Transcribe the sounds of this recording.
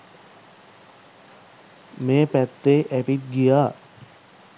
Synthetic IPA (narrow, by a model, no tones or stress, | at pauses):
meːpæt̪ːeʔæpit̪̚ɡijaː